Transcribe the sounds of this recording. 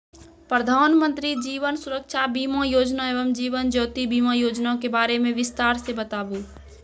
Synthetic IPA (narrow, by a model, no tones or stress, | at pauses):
pɾəd̪ʱaːnmə̃nt̪ɾid͡ʒiːʋənsʊɾəkʃʰabiːmãjoːd͡ʒnaeːʋəmd͡ʒiːʋənd͡ʒɔːt̪ibiːmãjoːd͡ʒnakebaːɾemẽʋɪst̪aːɾsebət̪aːbu